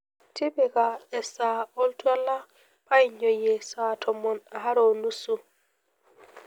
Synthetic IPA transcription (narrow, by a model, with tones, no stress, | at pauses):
ti˦bɛ˨ɡaɛ˨sa˨ɔ˦ltu˦a˦la˦ | pa˦jɲɔ˨jɛsa˨tʰɔ˨mɔ˨na˨ɦa˦ɾo˨nu˦su˨